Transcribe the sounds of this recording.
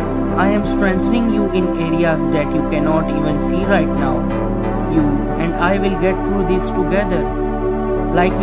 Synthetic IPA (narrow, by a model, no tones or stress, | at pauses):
aɪɛ̃msʈɾɛ̃ŋt̪ənɪ̃ŋjuːɪ̃neːɾiasd̪æʈjuːkɛnɔːʈiːʋə̃nsiːɾaɪʈnaʊ | juː | ɛ̃ɳɖaɪʋɪlɡɛʈ̚t̪ʰɾuːd̪ɪsʈuɡɛd̪əɾ | laɪkʋ